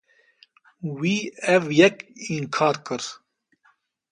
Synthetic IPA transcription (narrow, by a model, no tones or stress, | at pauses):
wiːɛvjɛkiŋkʰaːɾkɨɾ